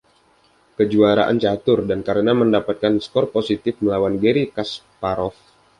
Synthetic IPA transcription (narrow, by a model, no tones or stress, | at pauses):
kəd͡ʒuaɾa̰ʔa̰nt͡ʃat̪ʊrdankaɾənaməndapat̪̚kanskɔrposit̪ɪfməlawanɡeɾikaspaɾɔf